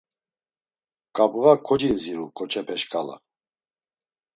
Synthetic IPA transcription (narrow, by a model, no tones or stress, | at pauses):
kʼabɣakʰɔd͡ʒinziɾukʰʼɔt͡ʃʰɛpʰɛʃkʼala̰